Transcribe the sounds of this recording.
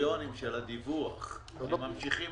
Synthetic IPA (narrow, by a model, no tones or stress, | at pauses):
o̞nimʃelad̪ivuaχ | mamʃiχim